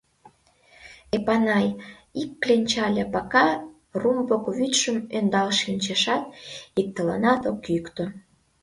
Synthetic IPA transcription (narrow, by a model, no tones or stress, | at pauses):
epɑnɑjikːlenʲt͡ɕɑlʲepɑkɑ | rumbokβyt̪ʃəmønd̪ɑlʃinʲt͡ɕeʃɑt̪̚ik̚t̪ələ̰nɑt̪okykt̪o